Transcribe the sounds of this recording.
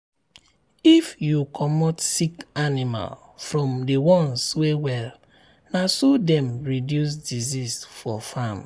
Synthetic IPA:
ifjukʰɔmɔtsikanima̰l | fɹɔ̃mdewɔ̃nswewɛl | nasodɛ̃mɹidjus̬dizisfɔfam

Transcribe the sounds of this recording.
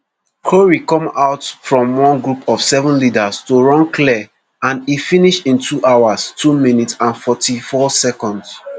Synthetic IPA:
kʰoɹikɔ̃maʊtfɹɔ̃mwɔ̃nɡɹupʰɔv̥sɛvə̃nlidastoɹɔ̃nkʰlɛ | ãnifiniʃĩntʰuʔawastʰuminitsãnfɔtʰifɔsɛkɔ̃nds

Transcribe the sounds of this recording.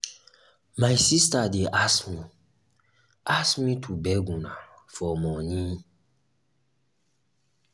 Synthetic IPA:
majsistadeʔasmi | asmĩtʰubɛɡũna | fɔmɔ̃nĩ

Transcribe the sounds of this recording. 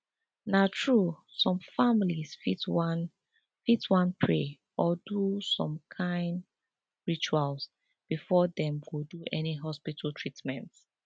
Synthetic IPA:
natʰɹusɔ̃mfamilisfitwn | fitwãnpʰɹe | ɔdusɔ̃mkʰãɪ̃nd | ɹit͡ʃuals | b̥ifɔðɛ̃mɡoduʔɛniɦɔspitʰaltʰɹ̥itmɛ̃nt

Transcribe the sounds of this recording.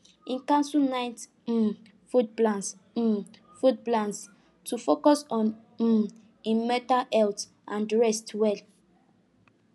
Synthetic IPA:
ĩnkãnsunaɪt̩ | fut̚blãns̩ | fut̚blãns | tʰufokɔsɔ̃n̩ | ĩnmɛtaɛlt | ʔãndɹɛstwɛl

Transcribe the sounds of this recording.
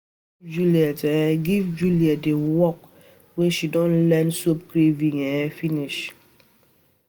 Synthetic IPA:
d͡ʒuliatɛɡivd͡ʒuliadewɔk̚ | weʃidɔnlɛnsop̚kɾevĩŋɛfiniʃ

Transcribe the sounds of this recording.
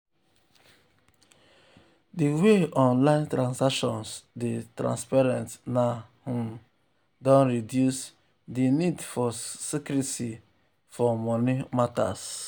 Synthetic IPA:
diweɔ̃nlãɪ̃ntɾãnsakʃɔ̃nsdetɾã̰nspaɹɛ̃ntnahũm | dɔ̃nɹidjus | dinidfɔsikɾiti | fɔmɔnimata̰s

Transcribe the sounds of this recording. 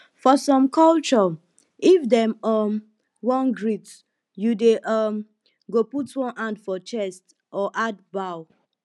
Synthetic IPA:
fɔsɔ̃mkʰɔlt͡ʃɔ | ifdɛ̃mɔm | wɔ̃nɡɹit | judeʔʌm | ɡoputwɔ̃nʔãndfɔt͡ʃɛst | ʔɔʔadbaw

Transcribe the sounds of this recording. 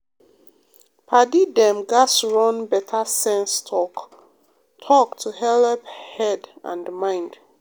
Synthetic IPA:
pʰadidɛ̃mɡasɹɔ̃nbɛtʰasɛ̃nstʰɔk | tʰɔktʰuhɛlɛphɛdã̰ndmãɪ̃nd

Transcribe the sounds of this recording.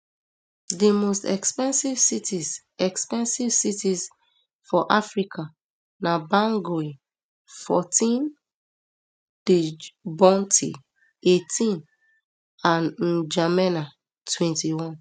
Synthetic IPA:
dimostɛkspɛ̃nsivsitiz | ɛkspɛ̃nsivsitiz | fɔʔafɹikʰa | nabãŋɡoi | fɔtĩn | d̥ebɔ̃ntʰḭ | etʰĩn | ãnd͡ʒamɛna | tʰwɛ̃ntiwɔ̃n

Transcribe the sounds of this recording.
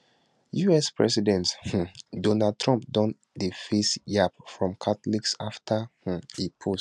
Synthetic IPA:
juɛspɹɛ̰sidɛ̃nth̩dɔnad̚tʰɹɔ̃mp̚dɔ̃n | dəfesjapfɹɔ̃mkʰatliksaftʰah̩ipʰos

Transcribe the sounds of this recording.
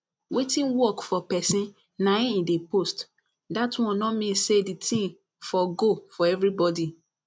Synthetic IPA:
wetĩnwɔkfɔpɛsĩn | naĩidepost | datwɔ̃nnɔmĩnsseditʰĩm | fɔɡofɔɛvɾibɔdi

